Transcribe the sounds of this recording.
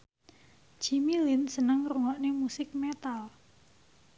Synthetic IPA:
d͡ʒimilɪnsənəŋruŋɔʔnemusɪk̚met̪al

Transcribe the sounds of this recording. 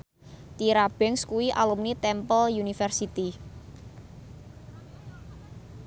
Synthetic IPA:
t̪iɾab̥ɛŋskuwiʔalumnit̪ɛmpɔljunifɛrsit̪i

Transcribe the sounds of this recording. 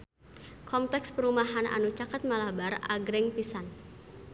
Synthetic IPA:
kɔmplɛkspəɾumaɦanʔa̰nut͡ʃakat̪̚malabara̰ɡɾɛŋpisan

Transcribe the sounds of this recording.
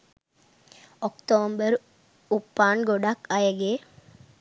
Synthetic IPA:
ɔkt̪oːmbəɾ | upːaːɳɡoɖakajəɡe

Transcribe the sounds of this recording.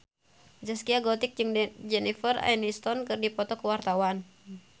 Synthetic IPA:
d͡ʒaskiaɡɔt̪ik̚d͡ʒɨŋd͡ʒɛnifəra̰inist̪ɔnkɨrdipɔt̪ɔkəwart̪awan

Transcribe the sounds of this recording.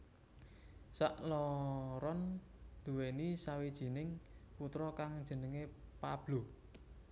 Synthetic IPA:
saʔlɔɾɔnd̪̥ṳwenisawid̥ʒ̥i̤nɪŋput̪ɾɔkaŋd̥ʒ̥ə̤nəŋepa̰b̥lo

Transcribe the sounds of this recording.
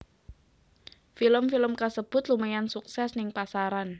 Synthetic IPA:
filəmfiləmkasəb̥ʊ̤t̪lumajansuksɛsnɪŋpasaɾan

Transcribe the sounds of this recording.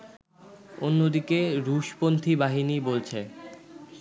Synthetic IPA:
onːod̪ikeɾuʃpont̪ʰibaɦinibolt͡ɕʰe

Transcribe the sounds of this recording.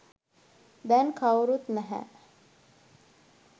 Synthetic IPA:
d̪ænkʰawɾut̪næɦæ̰

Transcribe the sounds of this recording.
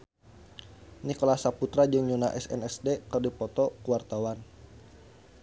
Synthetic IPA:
nikɔlasaput̪ɾad͡ʒɨŋɲunaʔɛsɛ̰nɛsdekɨrdipɔt̪ɔkuwart̪awan

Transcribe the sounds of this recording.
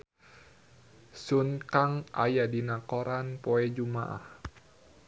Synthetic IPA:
sunkaŋa̰jadinakoɾanpoɛd͡ʒuma̰ʔa̰h

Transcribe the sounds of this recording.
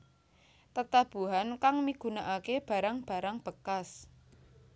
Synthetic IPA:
t̪ət̪ab̥ṳɦankaŋmiɡ̥ṳnaʔakeb̥ä̤ɾaŋb̥ä̤ɾaŋb̥ə̤kas

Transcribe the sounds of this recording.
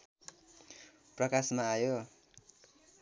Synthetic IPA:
prʌkasmaːjo

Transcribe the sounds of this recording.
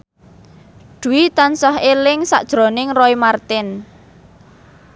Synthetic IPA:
ɖ̪̥ṳwit̪ansahelɪŋsa̰ʔd̥ʒ̥ɾo̤nɪŋrɔimart̪ɪn

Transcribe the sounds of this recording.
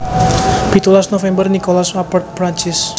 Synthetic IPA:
b̥it̪ulasnofɛmbərnikolasapərt̪̚pɾaɲt͡ʃɪs

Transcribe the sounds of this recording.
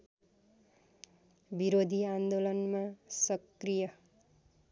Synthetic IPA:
biɾod̪ʱiand̪olʌnmasʌkrijʌ

